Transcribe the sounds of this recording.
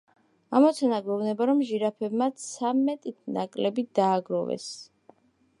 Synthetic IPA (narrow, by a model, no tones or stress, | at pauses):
amɔt̪sʰanaɡwɛvnɛbaɾɔmʒiɾapʰɛbmat̪sʰamːɛt̪ʼit̪ʰnakʼlɛbid̪̥aːɡɾɔvɛ̰s